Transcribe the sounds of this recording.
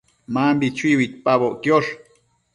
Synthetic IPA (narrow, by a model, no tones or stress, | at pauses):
mambit͡ʃuiwit̪̚paβoʔkjoʂ